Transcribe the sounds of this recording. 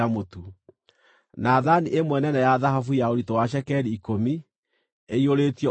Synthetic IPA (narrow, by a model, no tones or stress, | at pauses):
amotu | naðaniʔemwɛnɛnɛjaðaɦafujaoɾitowaʃ̬ɛkɛɾiːkomi | eioɾetiɔ